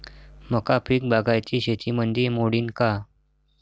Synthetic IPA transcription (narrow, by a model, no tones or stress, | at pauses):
məkapʰiːk̚baɡajt͡ɕiːɕet̪ʰimənd̪ʱimoɽiːnka